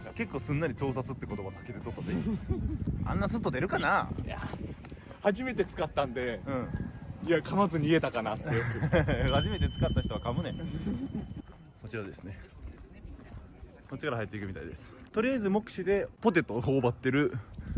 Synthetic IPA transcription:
ke̞kːo̞ːsɨ̃nːaɾʲit̪o̞ːsat͡sɨt̪ːeko̞t̪o̞basakːed̪e̞t̪o̞t̪ːad̪e | ã̰nːasɨt̪ːod̪e̞ɾɯ̟kanaa̰ | haʑime̞t̪e̞t͡sɨ̥kat̪ːãnd̪e̞ɯ̃ɴiakʰamazɨɲ̟ie̞t̪akanat̪ːehaʑime̞t̪e̞t͡sɨ̥kat̪ːaçi̥t̪oakamɯ̟nẽ | ko̞t͡ɕiɾad̪e̞sɨ̥ne̞ | not͡ɕi̥kaɾahait̪ːeikɯ̟mit̪a̰ḭd̪esɨ̥t̪o̞ɾʲijaizɨmo̞kɯ̟ɕid̪e̞po̞t̪e̞t̪ːoho̞ːbat̪ːe̞ɾɯ̟

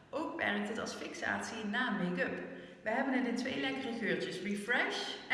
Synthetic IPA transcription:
ʔowkʋɛ̰ɹk̚tɦətɑ̰lˠsfɪksa̰ːtsinaːmejkɵp | ʋəɦɛbənətətʋejlɛkərəɣøːɹt͡ʃəsrifrɛʃ

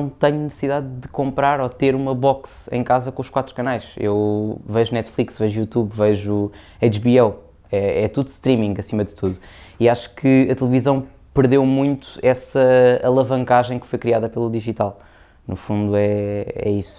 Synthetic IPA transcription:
w̃t̪ɛɲunɨsɨsiðaðd̪ɨkõmpɾaɾɔt̪eɾumɐβɔksɐ̰̃j̃kazɐkõuʃkwat̪ɾukɐnajʃḛwvɐʒunɛt̪flˠiksvɐʒujut̪uβvɐʒu | ɐjt͡ʃβiɛw | ɛɛt̪uðuʃt̪ɾimĩŋɡɐsimɐðt̪uðuiaʃu̥kʰɨɐt̪lˠɨvizɐ̃w̃ | pɨɾðewmũj̃t̪u̥ɛsɐɐlˠɐvɐ̃ŋkaʒɐ̃j̃kfojkɾiaðɐpelˠuðiʒit̪alˠ | nufũnd̪uɛɛ̰isu̥

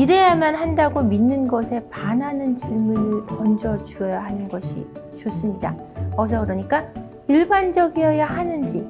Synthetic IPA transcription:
iɾejamjʌnhandaɡominːɯnɡʌsʰe̞pananɯnt͡ɕiɭmunɯʌnd͡ʑʌt͡ɕuʌjaɦanɯnɡʌɕʰḭ | t͡ɕos͈ɯmɲida̰ | ʌsʰʌkɯɾʌɲik͈a | iɭband͡ʑʌɡiejahanɯnd͡ʑi

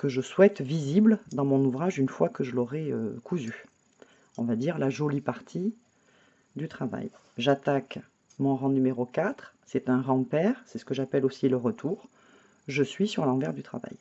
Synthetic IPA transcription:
kəʒəswɛt̪vizibld̪ɑ̃mɔ̃nuvʁaʒynfwakəʒəlɔʁɛø̰kʰuzy | ɔ̰̃vad̪iʁlaʒolipaʁt̪ʰi | d̪yt̪χava̰j | ʒat̪ak | mɔ̃ʁɑ̃nymeʁokat̪χsɛt̪ɛ̃ʁɑ̃pɛʁsɛsə̥kəʒapɛlosiləʁət̪ʰuːʁ | ʒəsɥisyʁlɑ̃vɛʁd̪yt̪χa̰va̰j

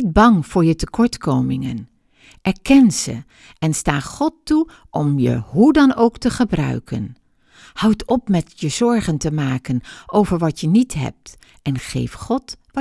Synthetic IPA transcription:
t̚bɑŋv̥ʊːɹjətəkɔɹtkowmɪŋən | ɛɹkɛnz̥ə̰ | ɛnstaːχɔtːu | ʔɔmjə̰ɦudɑnowktəχəbrœ̰ɥkʰə̰n | hɑwtɔpmɛtjəz̥ɔɹχəntəmaːkənʔowvəɹʋɑtjənitɦɛ̰p̚t | ɛnχḛjfχɔtʋ

